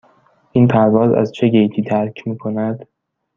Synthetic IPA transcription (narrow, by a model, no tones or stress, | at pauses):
ʔiːnpʰæɾvɒːzæ̰zt͡ʃʰeɡejt̪ʰiːd̪ʰæɾcʰmiːkʰo̞næd̪̥